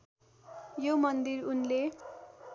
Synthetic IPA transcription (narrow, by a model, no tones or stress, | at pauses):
jomʌnd̪irunle